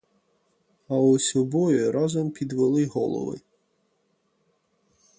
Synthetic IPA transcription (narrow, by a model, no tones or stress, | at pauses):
ɐusʲɔbɔjʊɾɑzɔmpʲid̪ʋelˠɪɦɔ̰lˠɔ̰ʋɪ̰